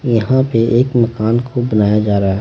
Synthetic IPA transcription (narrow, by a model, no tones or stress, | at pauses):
jɐɦãpeʔeːkmɐkaːnkʰobɐnaːjad͡ʒaːɾaːɦɛ